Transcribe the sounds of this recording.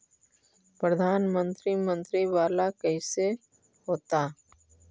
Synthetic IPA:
pɾəd̪ʱaːnmə̃nt̪ɾimə̃nt̪ɾiʋaːlakɛɪse | ɦoːt̪a

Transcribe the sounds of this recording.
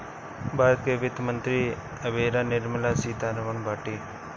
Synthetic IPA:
bʱaːɾət̪keʋɪt̪mənt̪ɾi | ɐbeːɾanɪɾmɐlasiːt̪anɐʋɐɳbʱaːʈiː

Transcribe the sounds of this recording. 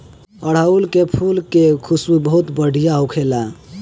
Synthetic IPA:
əɽ̤aulkepʰulkekʰusubəɦut̪bəɽ̤ʱijaukʰela

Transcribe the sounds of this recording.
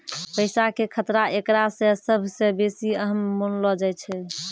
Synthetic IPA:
pəɪsakekʰət̪ɾaʔekɾasẽsəbʱsẽbesiəɦəmːonlɔd͡ʒaj̪t͡ʃʰɛ

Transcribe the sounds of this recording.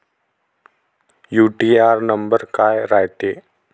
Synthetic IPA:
juːʈiːaːɾnəmbəɾkaːjɾajʈ̪eː

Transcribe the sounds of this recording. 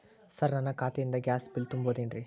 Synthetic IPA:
sɐɾnɐnːɐkaːt̪ɛjind̪ɐɡjaːsbilt̪umboːd̪inɾi

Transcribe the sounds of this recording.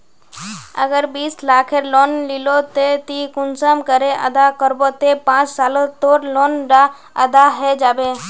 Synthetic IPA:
ə̰ɡəɾbiːslaːkʰeɾloːnlilot̪et̪ikʊnsəmkəɾeʔə̰d̪akəɾbot̪epãːt͡ʃsaːlot̪oːɾloːnɖa | əd̪aɦɛd͡ʒaːbeː

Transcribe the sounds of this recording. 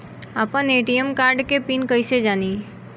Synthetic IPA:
aːpəneʈijəmkaɾɖkepinkəjsed͡ʒaːni

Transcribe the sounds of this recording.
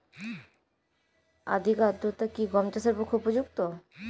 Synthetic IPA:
a̰d̪ʱikad̪ɾot̪akiɡɔmt͡ɕasaɾpokʰːupod͡ʑukt̪o

